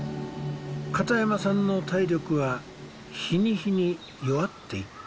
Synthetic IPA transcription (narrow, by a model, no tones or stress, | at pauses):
kat̪ajamasãnːo̞t̪aiɾʲo̞kɯ̟βa | çiɲ̟içiɲ̟i | jo̞βat̪ːe̞ikɯ̥